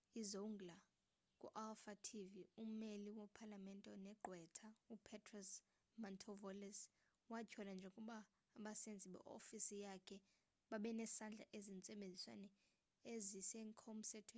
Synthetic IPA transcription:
izoŋɡla | kʼṵʔalfatʰivium̩eliwɔpʰalamɛntʼɛnɛɡ͡ǃʱwɛtʰaupʰɛtʰʼrɔs | mɔntʰɔvɔlɛs | wacʰɔland͡ʒʱokʼuɓaː | ɓasend͡zʱiɓɛ̰ʔo̰fisijakʰɛ | ɓaɓɛnɛsand͡ɮʱa̰ʔezint͡sʼɛɓend͡zʱiswa̰nɛ | eziseŋkʰɔm̩sɛtʰwe

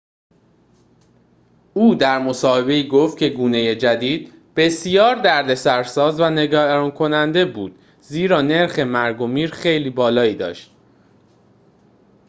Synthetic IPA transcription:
uːd̪æɾmo̞sɒːhe̞be̞iːɡoft̪̚cʰe̞ɡuːne̞jed͡ʒæd̪iːd̪̚ | b̥e̞sjɒːɾd̪æɾd̪e̞sæɾsɒːzvæne̞ɡæɾɒːnkʰo̞nænd̪e̞buːd̪̥ | ziːɾɒːne̞ɾxe̞mæɾɡo̞miːɾxe̞jliːbɒːlɒːiːd̪ɒ̰ːʃt̪

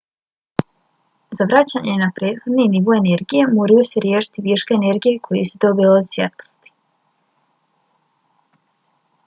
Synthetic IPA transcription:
zaʋɾat͡ɕaɲenapɾeːd̪xo̞d̪niniʋo̞ene̞ɾɡije̞moːɾajoseɾjeːʃi̥t̪iʋiʃkeːne̞ɾɡijekʰo̞jesud̪o̞bileod̪sjet̪o̥st̪i̥

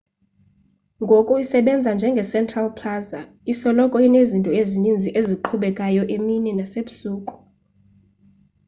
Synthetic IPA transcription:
ŋɡʱokʼuisɛɓɛnd͡zʱand͡ʒʱɛŋɡʱɛsɛntʰʼralpʰlaza | isɔlɔkʼɔinezintʼɔezinind͡zʱiʔeziǃʰuɓɛkʼajɔʔeminɛnaseɓusuːkʼu̥

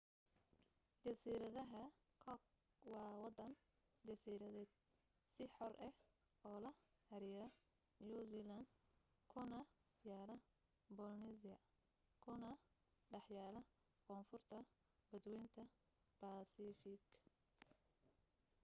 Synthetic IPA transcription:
d͡ʒɐsiːɾɐðɐɦɐ | kʰ | wɑːwɑd̪ɐn | d͡ʒɐsiːɾɐðɛːd̪ | sɪħɔrʔɛh | ɔːlɐħɐɾiːɾɐ | juzilɐnd̪ | kʰʊnɐjaːlɐ | bɔlnisɪjɐ | kʰʊnɐɖɑħjaːlɐ | kʰɔːnfʊrt̪ʰɐ | bɐd̪wɛjnt̪ʰɐ | b̥asifɪk

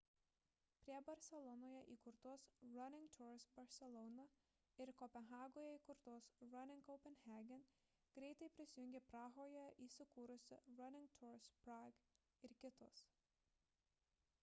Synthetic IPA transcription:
pʲɾʲiɛbɐɾʲsʲɛlˠɔnoːjɛʔiːkʊɾt̪oɔsɾɐnʲɪŋɡt̪ʰːɾsbɐɾʲsʲɛlˠɔːnɐ | ɪɾkɔpʲɛnɣɑːɡoːjɛiːkʊɾt̪oɔsɾɐnʲɪŋkɔʊpʲɛnxʲæːɡʲɛn | ɡ̥ɾʲɛɪt̪ɐɪpʲɾʲɪsʲɪjʊŋʲɡʲɛpɾɑːɣoːjɛʔiːsʲɪkuːɾʊsʲɪɾɐnʲɪ̃ŋɡt̪ʰʲɔɾspɾɑɡ | ɪɾkʲɪt̪oːs

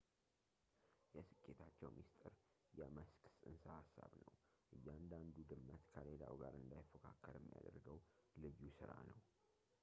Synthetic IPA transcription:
jɛsɨkʼːet̪ʰat͡ʃːɛwmist̪ʼɨɾ | jɛməsksʼɨnsahasːaβnəw | ʔɨjːaand̪and̪ud̪ɨmːət̪kʰəlelawɡaɾɨnd̪ajfəkʰakʰːəɾɛmːija̰d̪əɾɡəwlɨjːusɨɾa̰nəw

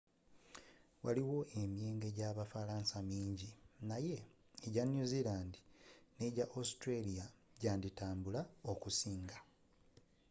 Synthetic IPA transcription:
wa̰liwo̞ʔe̞mje̞ːŋɡe̞ɟaːβafalaːnsamiːɲɟinaje̞ | eɟanjuzilaːndine̞ɟaʔostɾelijaɟaːnditaːmbulaokusiːŋɡa

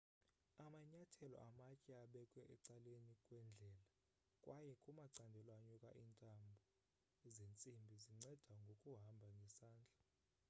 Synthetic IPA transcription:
amaɲatʰɛlɔ̰ʔamakʼɛaɓɛkʼwɛʔɛǀalenikʼwɛnd͡ɮʱɛːla | kʼwajɛkʼumaǀandʱɛlwaɲukʼa̰ʔintʼambʱɔ | zent͡sʼimbʱiziŋ͡ǀɛd̥ʱaŋɡʱokʼuɦambʱaŋɡʱɛsaːnd͡ɮʱa

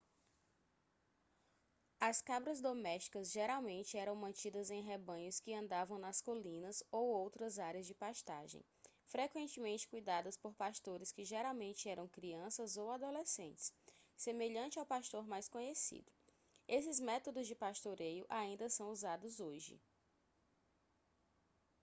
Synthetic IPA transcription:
ɐskabɾɐzd̪omɛʃt͡ʃi̥kɐzʒeɾawmẽnt͡ʃɪɛɾɐ̃w̃mɐ̃nt͡ʃid̪ɐzẽj̃ɦebɐ̃ɲʊskɪɐ̃nd̪avɐ̃w̃nɐskolĩnɐzowowt̪ɾɐzaɾiɐzd͡ʒɪpaʃt̪aʒḛ̃j̃fɾekwẽnt͡ʃɪmẽnt͡ʃɪ̥kujd̪ad̪ɐspoɾpaʃt̪oɾɪskɪʒeɾawmẽnt͡ʃɪɛɾɐ̃w̃kɾiɐ̃sɐzowad̪olesḛ̃t͡ʃɪ̥ssemeʎɐ̃nt͡ʃɪawpaʃt̪oɾmajskõɲesḭd̪ʊ | esɪzmɛt̪od̪ʊzd͡ʒɪpaʃt̪oɾejʊʔaĩnd̪ɐsɐ̃w̃uzad̪ʊzoʒɪ̰

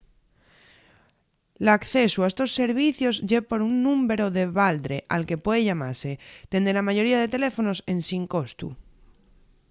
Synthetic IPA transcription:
lakθe̞suaest̪o̞sːe̞ɾβ̞iθjo̞zʝepo̞ɾunːũmbe̞ɾoðe̞βald̪ɾe̞ʔa̰lke̞pwe̞ðeʝamaɾse̞t̪e̞nd̪elamaʝo̞ɾiað̞e̞t̪e̞le̞fo̞no̞se̞nsiŋko̞st̪ṵ

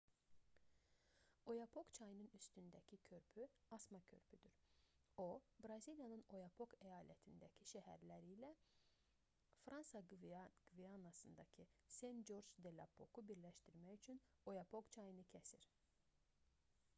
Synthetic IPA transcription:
o̞jɑpʰo̞kt͡ʃʰɑjɯnɯnyst̪ynd̪æcʰicʰø̞ɾpʰyɑsmɑcʰø̞ɾpʰyd̪yɾ | obɾɑzilijɑnɯno̞jɑpʰo̞kʰæjɑːlæt̪ʰind̪æcʰiʃæhæ̰ɾlæɾiːlæ | fɾɑnsɑɡ̥viɑnːɑsɯnd̪ɑcʰisend͡ʒo̞ɾd͡ʒd̪elʲɑ̰pʰo̞kubiɾlæʃt̪iɾmæcyt͡ʃʰyn | o̞jɑpʰokt͡ʃʰɑjɯnɯcʰæsiɾ̥

